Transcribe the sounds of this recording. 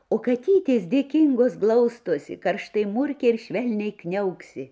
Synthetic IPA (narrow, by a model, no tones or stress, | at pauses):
oːkɐt̪ʲiːt̪ʲeːsd̪ʲeːkʲɪŋɡoːsɡlˠɐʊst̪oːsʲɪ̰kɐɾʃt̪ɐɪmʊɾʲkʲɛɪɾʃʲʋʲɛlʲnʲɛɪknʲɛʊksʲɪ